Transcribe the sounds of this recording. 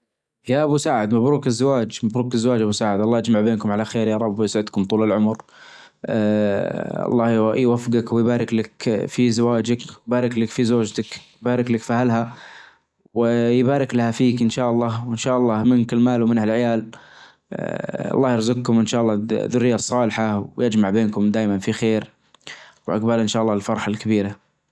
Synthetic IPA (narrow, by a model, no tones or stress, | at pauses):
jaʔabusaːʕɪd̪mabɾuːkɪzːawaːd͡ʒmabɾuːkɪzːawaːd͡ʒʔabusaːʕɪd̪ʔɑlˤːɑːʔad͡ʒmaʕbeːnkʊmʕalaxeːɾjɑːɾˤɑbːjɪsʕɪd̪kʊmt̪ˤuːlɪlʕʊmɾ | ɑ̰lˤːɑːjwafɡakwɪjbaːɾɪklakfizawaːd͡ʒakwjbaːɾɪklakfizoːd͡ʒt̪akjbaːɾɪklakfihalɦa | wɪjbaːɾɪklahafiːkʔɪnʃaːʔɑlˤːɑːwɪnʃaːʔɑlˤːɑːmɪnkɪlmaːlwmɪnhalʕɪjaːl | ɑ̰lˤːɑːhjɪɾzaɡ̚kʊmʔɪnʃaːʔɑlˤːɑːðʊrːɪjːasˤːɑːlħawjɪd͡ʒmaʕbeːnkʊmd̪aːjmanfixeːɾ | wʔa̰ɡbalʔɪnʃaːʔɑlˤːɑːɪlfɑɾˤɑħalkabiːɾa